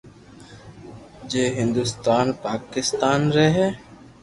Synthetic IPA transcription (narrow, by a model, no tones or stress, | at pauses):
d͡ʒeːɦɪ̃nd̪ʊst̪aːnpaːkɪst̪aːnɾɛɦɛː